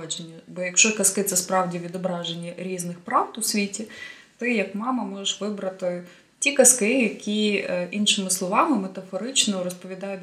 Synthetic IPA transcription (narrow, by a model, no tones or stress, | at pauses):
d͡ʒenʲːɐbɔjɐkʃt͡ʃɔkɐskɪt̪sɛspɾɑwdʲiʋʲid̪ɔbɾɑʒenʲːɐɾʲiznɪxpɾɑwt̪ʊsʲʋʲitʲi | t̪ɪjɐkmɑmɐmɔʒeʃʋɪbɾɐt̪ɪ | tʲikɐskɪjɐkʲiʔinʃɪmɪslˠɔʋɑmɪmet̪ɐfɔɾɪt͡ʃnɔɾɔspɔʋʲid̪ɑjʊ